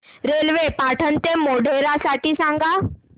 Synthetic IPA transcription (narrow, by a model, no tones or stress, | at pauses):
ɾelʋepaʈʰənt̪emoɽʱeɾasaʈʰiːsãŋɡa